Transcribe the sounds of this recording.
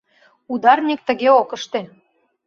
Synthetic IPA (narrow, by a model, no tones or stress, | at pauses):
ud̪ɑrnʲik̚t̪ə̆ɣeokə̆ʃt̪e